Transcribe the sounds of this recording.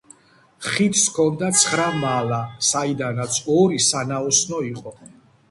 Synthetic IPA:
χit̪ʰskʰɔnd̪at̪sʰχɾamalasaid̪anat̪sʰɔɾisanaɔsnɔiqʼɔ

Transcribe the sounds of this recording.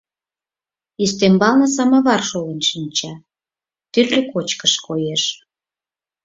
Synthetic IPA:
ist̪embɑlnɤ̆s̬ɑmɑβɑrʃolenʃinʲt͡ɕɑ | t̪yrløkot͡ɕkəʃkojeʃ

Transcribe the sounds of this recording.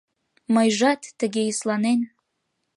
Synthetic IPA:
məjʒɑt̪ːəɣeislɑnen

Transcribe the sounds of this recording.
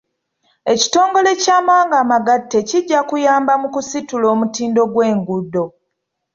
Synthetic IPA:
e̞ci̥to̞ːŋɡo̞le̞caːmawaːŋɡaːmaɡatːe̞ciɟːakujaːmbamukusitulo̞ːmutiːndo̞ɡwe̞ːŋɡudːo̞

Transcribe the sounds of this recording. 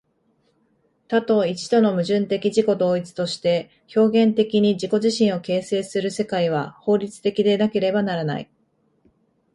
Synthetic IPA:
t̪at̪o̞it͡ɕi̥t̪o̞no̞mɯ̟ʑɨ̃nt̪e̞kʲiʑiko̞d̪o̞ːit͡sɨ̥t̪o̞ɕi̥t̪e̞ | ço̞ːɡẽ̞nt̪e̞kʲiɲ̟id͡ʑiko̞ʑiɕĩɰ̃o̞ke̞ːse̞ːsɨɾɯ̟se̞kaiβ̞aho̞ːɾʲit͡sɨ̥t̪e̞kʲid̪e̞nake̞ɾe̞banaɾana̰ḭ

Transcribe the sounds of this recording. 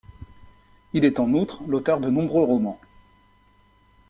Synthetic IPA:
ilɛt̪ɑ̃nut̪χlot̪œʁd̪ənɔ̃bʁøʁɔmɑ̃

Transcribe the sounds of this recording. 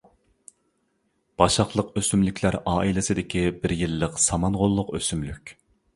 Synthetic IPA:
b̥ɑʃɑχlˠəqøsymlykʲlæɾʔɑːʔilɪsɪd̪ɪkʲʰibɪɾjilːəqsɑmɑnʁolˠːʊqøsymlykʲ

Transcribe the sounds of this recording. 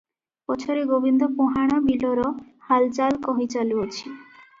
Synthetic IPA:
bɔt͡ʃʰɔɾeɡobind̪ɔpoɦaɽ̃abilɔɾɔhalt͡ʃalkɔɦit͡ʃaluɔt͡ʃʰi

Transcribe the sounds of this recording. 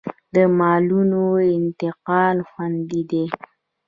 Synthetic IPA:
d̪əmɑlunoɪnt̪ɪqɑlxwand̪id̪e

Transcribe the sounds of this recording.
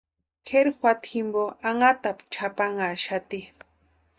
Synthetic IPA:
kʰeɾxwat̪ʰimboaŋat̪apt͡ʃʰapaŋaʃat̪i

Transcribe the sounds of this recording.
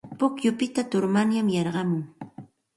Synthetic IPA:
pʊkjʊpɪt̪at̪ʊɾmanjamjɑɾɢɑmʊŋ

